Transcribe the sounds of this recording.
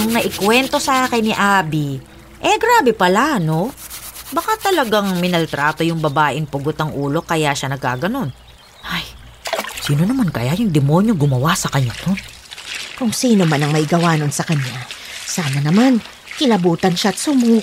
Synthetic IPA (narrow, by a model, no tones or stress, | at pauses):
ʔɐŋnɐʔɪkwɛnt̪o̞sɐʔaːkɪnːɪʔaːbi | ʔɛɡɾaːbɛpɐlano̞ | bɐkat̪ɐlɐɡaŋmɪnɐlt̪ɾaːt̪ojʊŋbɐbaːʔɪnpʊɡot̪ɐŋʔuːlo̞kɐjaʃanɐɡ̚ka̰ːɡɐno̞n | ʔaj | siːno̞nɐmankɐjajʊŋd̪ɛmo̞ɲo̞ɡʊmɐwasɐkɐɲːad̪on | kʊŋsiːno̞manɐŋmɐʔɪɡɐwaːno̞nsɐkɐɲːasaːmɐnɐman | kɪlɐbuːt̪ɐnʃat̪̚sʊmuː